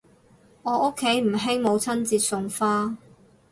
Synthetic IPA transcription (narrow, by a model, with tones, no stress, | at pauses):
ŋɔː˨˧ʔʊ˥kʰːe˨˥jm̩˨˩ɦɪ˥ŋmo˨˧wt͡sʰɐ˥nt͡siː˧t̚sʊ˧ŋfaː˥